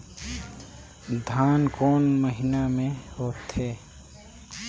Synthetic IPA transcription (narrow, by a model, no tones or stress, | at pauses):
d̪ʱaːnkoːnməɦɪnamẽhoːt̪heː